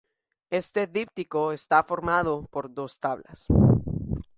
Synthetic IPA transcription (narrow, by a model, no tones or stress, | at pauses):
e̞st̪e̞ðipt̪iko̞est̪afo̞ɾmaðopo̞ɾðo̞st̪aβla̰s